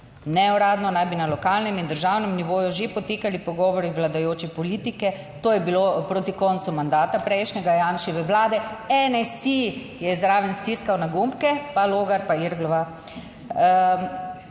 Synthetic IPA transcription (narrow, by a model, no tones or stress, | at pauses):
nɛuɾaːd̪nɔnajbinalɔkaːlnɛmind̪əɾʒaːwnɛmniʋoːjuʒepɔt̪eːkalipɔɡɔːʋɔɾiʋlad̪ajoːt͡ʃɛpɔliːt̪ikɛ | t̪oːjɛbilopɾoːt̪ikɔnt̪sumand̪aːt̪apɾɛjʃnʲɛɡajaːnʃiʋəʋlaːd̪ɛɛnɛsi | jɛzɾaːʋɛnst̪iskawnaɡumpkɛpaloːɡaɾpaiɾɡlɔʋa